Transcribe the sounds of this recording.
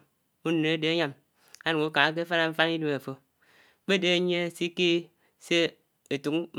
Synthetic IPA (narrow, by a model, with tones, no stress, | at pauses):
u˦n˨a˦de˦a˦ɲa˦m | a˨˦nu˨ŋu˦ka˨a˦k̬e˦fa˦na˦ɱ̩˦fa˦ni˦du˨ma˨fo˦ | k͡pe˦˨de˦˨˦ɲ˦e˦si˦ke˦ | se˦ | e˨tu˨ŋm